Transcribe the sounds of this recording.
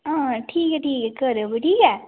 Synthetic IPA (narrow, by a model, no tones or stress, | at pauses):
ãːʈʰiːkɛʈʰiːkɛkəɾəbəʈiːkɛ